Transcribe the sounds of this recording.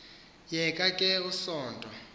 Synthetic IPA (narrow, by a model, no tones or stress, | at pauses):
jɛkʼakʼɛusɔːntʼɔ